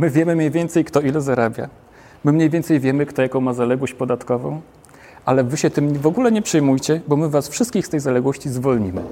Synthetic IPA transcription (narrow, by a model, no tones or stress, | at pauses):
mɘvʲjɛmɘmɲejvʲjɛnt̪sɛjkt̪ɔilɛzaɾabʲja̰ | mɘmɲejvʲjɛnt̪sɛjvʲjɛmɘkt̪ɔjakɔ̃w̃mazalɛɡwɔɕt͡ɕpɔd̪at̪kɔvɔ̰̃w̃ | ʔalɛvɘɕɛt̪ɘmvɔɡulɛɲɛpʂɘjmujt͡ɕɛbɔmɘvasfʂɘst̪̚kʲixst̪ɛjzalɛɡwɔɕt͡ɕizvɔlɲimɘ̰